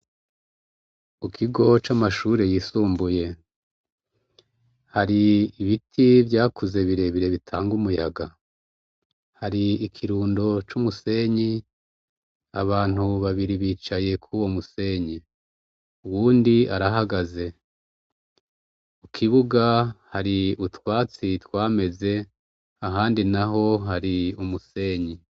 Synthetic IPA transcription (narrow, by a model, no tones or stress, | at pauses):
ukʰiɡo̞t͡ʃamaʃuːɾe̞jiːsuːmbuje̞ | haɾiːβitʰivɟaːkuze̞βiɾe̞βiɾe̞βitʰaːŋɡumujaɡa | haɾiːkʰiɾuːndo̞t͡ʃumuse̞ɲi | a̰βaːn̥huβaβiɾiβiːt͡ʃaje̞kʰuwomuse̞ːɲi | uwuːndiaɾaɦaɡaze̞ | ukʰiβuɡahaɾiutwaːt͡sitwaːme̞ze̞ | aɦaːndinaɦo̞ɦaɾiumuse̞ːɲi